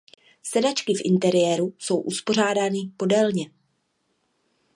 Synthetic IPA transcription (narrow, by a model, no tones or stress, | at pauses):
sɛdat͡ʃkɪfʔɪ̰nt̪ɛɾɪjɛːɾuso̞wʔuspo̞r̝aːdaːnɪpo̞dɛlɲɛ